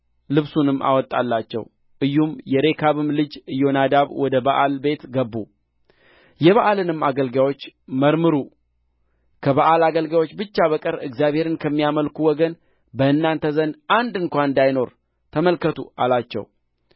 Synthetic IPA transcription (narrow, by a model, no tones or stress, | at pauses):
lɨβsunɨmːʔa̰wɔt̪ʼːa̰lːat͡ʃːɛ̰w | ʔɨjːumjɛɾe̞kʰaβɨmlɨd͡ʒɨjo̞nad̪aβwɔd̪əbaʔalbe̞t̪ɡəbːu | jɛβaʔalɨnɨmːaɡəlɡawot͡ʃːməɾmɨɾu | kʰəβaʔalaɡəlɡawot͡ʃːbɨt͡ʃːaβəkʼəɾɨɡzijaβhe̞ɾɨnkʰəmːijaməlkʰuwɔɡən | bəɨnːant̪ʰəzənand̪ɨŋkʷannd̪ajno̞ɾ | t̪ʰəməlkʰət̪ʰṵalat͡ʃːɛ̰w